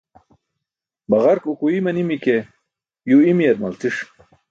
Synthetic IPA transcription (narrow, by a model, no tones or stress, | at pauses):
bɐʁɐɾkukuimɐnimike | juimijɐd̪̚mɐlt̪iʂ